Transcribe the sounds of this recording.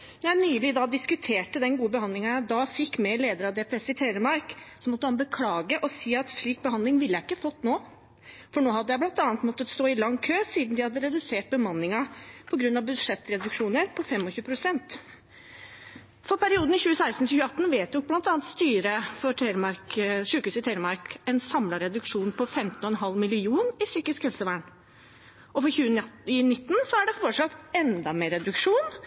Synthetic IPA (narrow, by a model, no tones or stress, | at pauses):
nɔɾjæɪnyːlɪd̪ɑd̪ɪskʉt̪ʰeːʈəd̪ɛnɡuːəbəhɑnd̪lɪŋɑjæd̪ɑfɪkːmɛleːd̪əɾɑd̪ɛːpʰɾɛsɪt̪ʰeɪɾəmɑɾksɔmɔt̪ːəhɑnbəkʰlɑːɡəʔɔsiːɑt̪ʂɭiːk̚bəɦɑnd̪lɪŋʋɪlːəjæɪɪkːəfɔt̪ːnoː | fɔɳoːhɑd̪ːəjæɪblɑnt̪ɑːnət̪mɔt̪ːət̪st̪oːɪlɑŋːkʰøːsiːd̪n̩d̪ɪhɑd̪ːəɾɛd̪ʉseːʈ̚bəmɑnːɪŋɑpʰɔɡɾʉnːɑʋbʉd̪ʂɛt̪ːɾɛd̪ʉkʂuːnəɾpʰɔfɛmːɔçʉːəpʰɾʊsɛnt̪ | fɔɾpʰæɾɪuːd̪n̩ɪçʉːəsæɪst̪n̩çʉːəɑt̪ːn̩ʋeːt̪ʊk̚blɑnt̪ɑːnt̪st̪yːɾəfɔɾʰɾmɑɾkʂʉːkʉːsɪt̪ʰæɪɾmɑɾkɛnsɑmlɑɾɛd̪ʉkʂuːnpʰɔfɛmt̪n̩ɔɛnɦɑlmɪlɪuːnɪsyːkɪskhɛlsəʋæːɳ | ɔfɔçʉːɪnɪt̪ːn̩sɔæɖɛfɔʈʂɑt̪ːɛnd̪ɑmeːɾɛd̪ʉkʂuːn